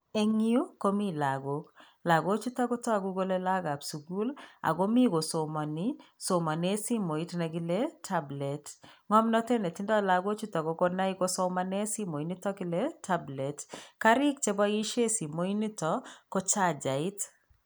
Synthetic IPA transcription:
e˦ŋi˦u˦ko˦mi˦la˨ɡo˨k | la˨ɡo˦t͡ʃu˦ta˦ko˦tɔ˦a˨ɡu˦ɡo˦le˦la˦ɡa˨psu˨ɡu˦la̰˨ɡo˦mi˦ɡo˨so˨mɔ˨nɪ˦so˨ma˨ne˦si˦mo˨i˦tnɛ˨ɡɪ˦le˦tʰa˦ble˨tŋɔ˦mnɔ˦te˦ne˨tɪ˦ndɔ˦la˨ɡo˦t͡ʃu˦tɔ˨ko˦ko˦na˦ɪ˦ko˦sɔ˦ma˦ne˦si˦mo˨i˨ni˦tɔ˦kɪ˦le˦tʰa˦ble˨tka˦ɾɪ˦k̚t͡ʃe˦bɔ˦i˦ʃe˦si˨mo˨i˦ni˦tɔ˨ko˦t͡ʃa˦˨d͡ʒa˨ɪ˦t

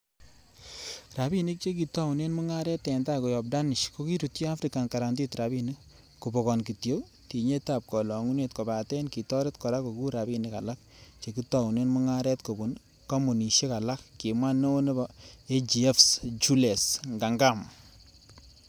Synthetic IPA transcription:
ra˨bi˦ni˦k̚t͡ʃe˦ki˨tɔ˦wu˨ne˦nmʊ˦ŋa˦ɾɛ˦tːɛ˨nda˦ko˨jɔ˨p̚da˦nɪ˨ʃko˦ki˦ɾu˨tji˦a˦fɾika˨nka˨ɾa˨ndi˦tɾa˨bini˦k | ku˨bɔ˨kɔ˨nki˨tjo˦ | ti˨ɲe˦ta˨p̚kɔ˨lɔ˨ŋu˦ne˨tkɔ˨ba˨tɛ˦nki˨tɔ˦ɾe˦tkɔ˨ɾa˦ko˨ku˦ɾa˨bi˨nɪ˦ka̰˨la˦k̚ | t͡ʃe˨ki˦tɔ˨wne˦nmu˦ŋa˦ɾɛ˦tko˨bu˨n | kɔ˦mu˨ni˨ʃe˦ka˨la˦kːi˨mwa˦no˦ne˦bae˦d͡ʒi˨ɛ˦fsd͡ʒu˦le˨sŋɡa˨ŋɡa˦˨m

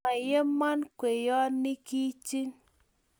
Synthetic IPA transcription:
a˨je˦mːa˦nkwe˨jɔ˦ni˦ki˦t͡ʃi˦ŋ

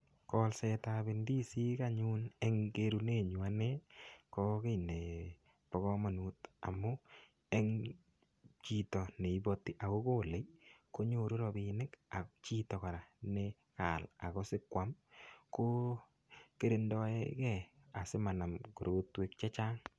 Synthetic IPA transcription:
kɔ˦lsɛta˨bɪ˨ndi˦si˦kaɲu˦ne˦ŋɡe˦ɾu˧ne˦˨ɲu˨a˦nɛ˦kɔ˦kɪ˦jne˨ | pɔ˨ɣɔ˦ma˨nu˨ta̰˨mːʊ˦ | e˦ŋ | t͡ʃi˦tɔ˨ne˨i˦bɔ˦tːi˦ʔa˨ko˦ko˦le˨jko˦ɲo˦ɾu˦ɾɔ˧bɪnɪ˦ka˨t͡ʃi˦tɔ˨ka˨ɾa˨ne | ka̰˨la̰˨kɔ˦sɪ˦kwa˦mko˦ | ke˦ɾɪ˨ndɔ˦ḛ˦kɛ˨a˨sɪ˦ma˨na˨mku˨ɾotwe˦k̚t͡ʃɛ˦t͡ʃa˦ŋ

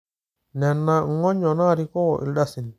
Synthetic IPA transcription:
nɛ˨nːaŋːɔ˦ɲːɔ˨na˦ɾikɔ˦wɔʔḭ˨lɗa˦sin

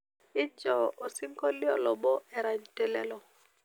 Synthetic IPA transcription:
ɪ˦d͡ʒɔ˦o˨si˦ŋ˦kɔ˦li˦ɔ˨lɔ˨bɔ˦ɛ˦ɾa˨ɲ˨tɛ˦lɛ˦lɔ˨

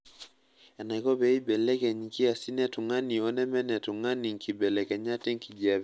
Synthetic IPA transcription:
ɛ˨na˨i˨kɔ˦bɛ˦i˦bɛ˨lɛ˦kɛ˨ɲiki˦a˨si˦nɛ˦tu˨ŋa˦ni˨ɔ˦nɛ˦mɛ˦nɛ˨tu˨ŋa˦ni˨ŋ˨ki˨bɛ˨lɛ˨kɛ˨ɲa˦tɛ˦ŋ˦ki˨d͡ʒa˨β

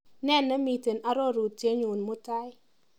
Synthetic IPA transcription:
nɛ˦˨nːɛ˦mi˨te˨na˨ɾɔ˦ɾu˨tje˦ɲu˨nmʊ˦ta˦ɪ˦

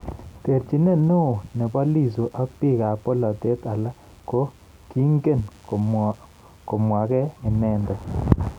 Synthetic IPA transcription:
te˨ɾt͡ʃi˨ne˦nʊ˦˨ne˨ba˦li˦˨so˨ʔa˦k̚pi˦˨ka˨po˦lɔ˨te˦ta˨la˦ | ko˦ | ki˦ŋɡe˦˨n | ko˨mwa˨kɛ˦ɪ˨nɛ˦ndɛ˨

